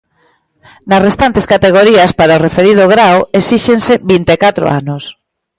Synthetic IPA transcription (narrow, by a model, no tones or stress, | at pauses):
nɐsrest̪ant̪eskat̪eɣ̞oɾiaspaɾaorefeɾið̞oɣɾawesiʃenseβint̪ekat̪ɾo̰a̰nos